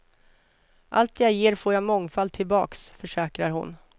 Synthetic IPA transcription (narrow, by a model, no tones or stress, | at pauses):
ʔa̰lt̪jajeːɾfoːɾjamɔŋfal̚t̪ʰɪlbɑ̰ːksfœʂɛːkɾaɾɦʊ̰n